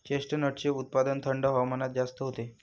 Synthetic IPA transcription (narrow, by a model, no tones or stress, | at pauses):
t͡ɕeʂʈənəʈt͡ɕeut̪̚pad̪ənt̪ʰəɳɖəɦaʋmənat̪̚d͡zast̪əɦot̪e